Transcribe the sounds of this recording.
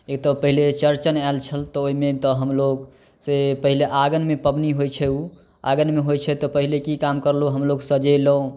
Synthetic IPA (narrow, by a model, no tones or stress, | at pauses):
ekt̪ɔpəɦilet͡ʃəɾt͡ʃənalt͡ʃʰəlt̪ɔoimet̪ɔɦəmloɡ | sepəɦileʔaɡənmepəbniɦojt͡ʃʰɛu | aɡənmeɦojt͡ʃʰɛt̪ɔpəɦilekikamkəɾloɦəmloɡsəd͡ʒeləõ